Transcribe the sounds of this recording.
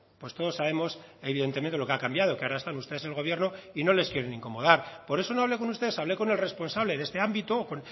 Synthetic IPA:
pwe̞st̪o̞ð̞o̞saβ̞e̞mo̞se̞βiðent̪e̞mẽnt̪elo̞keakambjað̞o̞keaoɾaest̪anust̪e̞ðeselɣ̞o̞β̞je̞ɾnoino̞le̞skjeɾenĩŋko̞mo̞ð̞aɾpo̞ɾe̞so̞no̞aβle̞ko̞nust̪ee̞saβle̞ko̞ne̞lre̞spo̞nsaβle̞ðe̞st̪e̞ambit̪oːkon

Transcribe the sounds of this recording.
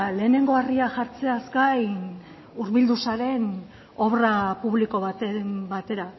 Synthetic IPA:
le̞ːne̞ŋɡo̞ariaʝaɾt͡se̞azkajn | uɾβild̪usaɾe̞n | o̞βrapuβliko̞βat̪mbat̪e̞ɾa

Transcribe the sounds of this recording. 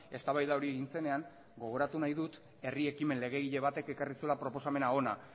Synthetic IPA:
e̞st̪aβajðao̞ɾieɣinse̞ne̞aŋ | ɡo̞ɣ̞o̞ɾat̪unajðut̪ | e̞rie̞kime̞nle̞ɣ̞e̞ɣiʎe̞β̞at̪e̞ke̞karisue̞lapɾo̞po̞same̞nao̞na

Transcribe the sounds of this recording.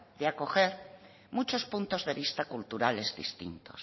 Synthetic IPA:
d̪eako̞xeɾ | mut͡ʃospũnt̪ozðe̞βist̪akult̪uɾale̞zðḭst̪ḭnt̪o̰s

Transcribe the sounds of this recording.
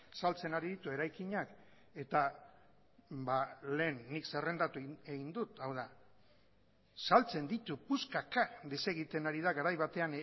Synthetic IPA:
salt͡se̞naɾiðit̪ue̞ɾajkiɲak | e̞t̪a | bale̞ːnːikse̞re̞nd̪at̪ueɣind̪ut̪awð̞a | salt͡se̞nd̪it̪upuskakaðese̞ɣit̪e̞naɾiðaɣaɾajβat̪e̞an

